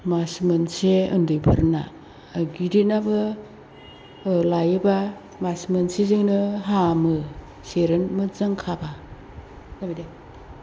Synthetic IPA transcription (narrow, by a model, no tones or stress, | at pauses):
masmɯnseɯndɯjbɯɾna̰ | ɡidinabɯ | lajɯba | masmɯnsezɯŋnɯɦamɯ | seɾɯnmɯzɯŋkʰaba | nabida